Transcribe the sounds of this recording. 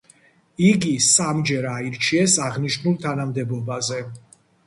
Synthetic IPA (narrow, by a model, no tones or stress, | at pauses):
iɡisamd͡ʒɛɾaiɾt͡ʃʰiɛsaʁniʃnulˠt̪ʰanamd̪ɛbɔbazɛ